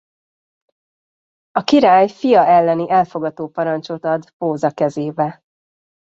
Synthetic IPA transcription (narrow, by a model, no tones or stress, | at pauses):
ɒkiɾaːjfijɒʔɛlːɛniʔɛlfo̞ɡɒt̪oːpɒɾɒnt͡ʃot̪ɒd̪poːzɒkɛzeːbɛ